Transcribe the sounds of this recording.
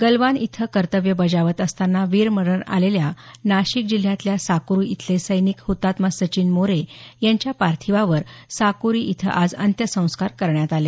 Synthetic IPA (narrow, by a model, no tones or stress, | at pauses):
ɡəlʋanit̪ʰəkəɾt̪əʋjəbəd͡ʑaʋət̪əst̪anːaʋiɾməɽəɳa̰leljanaɕik̚d͡ʑil̤ːjãt̪ljasakɾuit̪ʰlesəjnikhut̪ːat̪masət͡ɕiːnmoɾejaɲt͡ɕjapaɾt̪ʰiʋaʋəɾsakuɾiʔit̪ʰə̰ʔad͡zə̰nt̪jəsə̃w̃skaɾkəɾɳjat̪ale